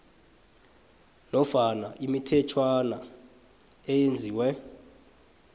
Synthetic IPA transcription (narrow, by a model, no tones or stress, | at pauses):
nɔfanaʔimitʰɛt͡ʃʰwana | ɛjend͡zʱiːwɛ